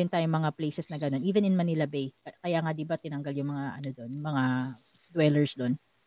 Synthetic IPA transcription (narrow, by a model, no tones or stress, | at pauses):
ɪnt̪aːjoŋmɐŋaplejsɛsnɐɡɐno̞nʔiːvɛnɪnmɐnɪlɐbejkkɐjaːŋad̪ibat̪ɪnɐŋɡɐljʊŋmɐŋaʔɐ̰no̞d̪onmɐŋa | d̪wɛlɛɹsd̪on